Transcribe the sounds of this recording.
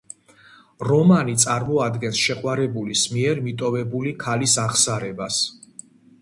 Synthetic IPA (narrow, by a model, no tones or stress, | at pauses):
ɾɔmanit̪sʼaɾmɔad̪ɡɛnsʃɛqʼwaɾɛbulismiɛɾmit̪ʼɔvɛbulikʰalisaʁsaɾɛbas